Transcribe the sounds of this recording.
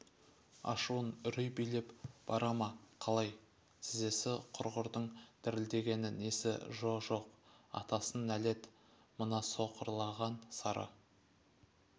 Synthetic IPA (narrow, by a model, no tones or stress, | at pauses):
ɑ̰ʃuwənʏɾʏjbijle̞pb̥ɑɾɑmɑqʰɑlˠɑj | t̪ʰɪze̞sɪqʰʊɾʁəɾd̪əɴd̪̥ɪɾɪld̪e̞ɡʲe̞nɪne̞sɪ̰ʒo̞ʒo̞qɑ̰t̪ɑsənæle̞t̪ | mənɑso̞qəɾlˠɑʁɑnsɑɾʔɑ̰